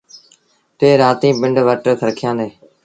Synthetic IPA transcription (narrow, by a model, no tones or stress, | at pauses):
t̪eːɾaːt̪ĩːbɪɳɖʋəʈəkʰəɾkʰɪjãːd̪eː